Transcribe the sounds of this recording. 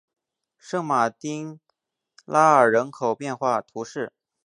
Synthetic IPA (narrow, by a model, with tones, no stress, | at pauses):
ʂɤ˥ŋma˨˩t̪i˥ŋ | la˥ə˞˨˩ɻə˧˥nkʰo˨˩ʊpjɛ˥˧nxwa˥˩t̪ʰu˧˥ʂɻ̩˥˩